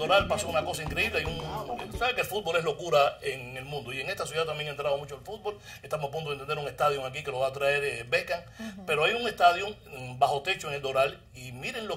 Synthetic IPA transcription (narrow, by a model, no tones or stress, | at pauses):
d̪oɾalpaso̞unako̞saiŋkɾe̞iβleajuŋsaβekelfut̪̚bo̞le̞ɦlokuɾaeŋe̞lmũnd̪oie̞ŋe̞st̪as̬juðaðt̪ːambjeŋaent̪ɾað̞o̞mũt͡ʃoelfut̪̚bo̞l | e̞ht̪amosap̬unt̪oet̪end̪eɾuŋe̞st̪aðjoŋakikelo̞βaːt̪ɾae̞ɾbekaŋ | pe̞ɾoajuŋe̞st̪aðjoŋbaho̞t̪e̞t͡ʃoeŋeld̪o̞ɾal | imiɾeŋlo